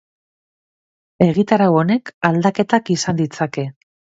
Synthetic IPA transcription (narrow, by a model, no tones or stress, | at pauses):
e̞ɣit̪aɾawone̞kald̪ake̞t̪akisand̪it͡sake̞